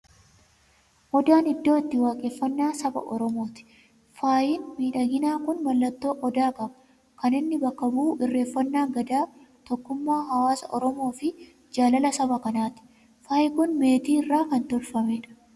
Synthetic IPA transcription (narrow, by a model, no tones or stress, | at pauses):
ʔɔd̪aːnɪd̪ːo̞ːɪt̪ːɪwaːkʼeːfːɐnːaːsɐbɐ̰ʔɔɾɔmo̞ːt̪ɪ̥ | faːjɪːnmiːᶑɐɡɪnaːkʊnmɐlːɐt̪ːo̞ːʔɔd̪aːkɐbɐ̥ | kɐnɪnːɪbɐkːɐbuːɪrːe̞ːfːɐnːaːɡɐd̪aː | t̪ɔkːʊmːaːɦɐwaːsɐ̰ʔɔɾɔmo̞ːfɪ | d͡ʒaːlɐlɐsɐbɐkɐnaːt̪ɪ̥ | faːjɪkʊnme̞ːt̪iːɪrːaːkɐnt̪ʊɾfɐmeːᶑɐ̥